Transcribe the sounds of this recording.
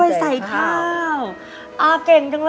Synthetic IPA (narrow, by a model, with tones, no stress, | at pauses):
jsa˨˩˦jkʰa˧˥˧w | ʔaː˧˩ke˨˩ŋt̪ʰa˨˦ŋl